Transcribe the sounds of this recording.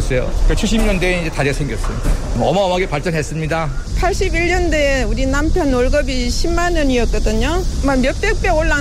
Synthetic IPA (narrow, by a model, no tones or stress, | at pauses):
s͈ejo̰kɯt͡ɕʰuɕʰimɲʌndeid͡ʑetaɾiasʰeŋɡjʌs͈ɯmidamʌʌmaʌmaɡepaɭt͡ɕ͈ʌnɦe̞s͈ɯmɲidapʰaɭɕ͈ibiɭɲʌndeuɾinampʰjʌnoɭɡʌbiɕʰimmːanɯɲiʌt̚k͈ʌdɯɲomamjʌp͈ʌk̚p͈eoɭːa